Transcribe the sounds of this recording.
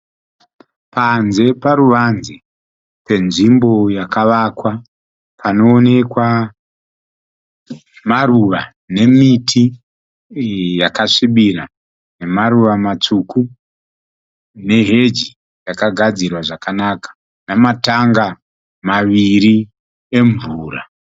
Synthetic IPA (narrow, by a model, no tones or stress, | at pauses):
panze̞paɾuʋanzi | pe̞nʐimbo̞jakaʋakwa | pʰano̞ːne̞kwa | maruʋa | ne̞mitʰi | jakaʂiɓiɾa | ne̞maruʋamat͡suku | ne̞ɦe̞d͡ʒi | jakaɡʱad͡zirwaʐakanakḁ | namataŋɡa | maʋiɾi | e̞ɱvuːra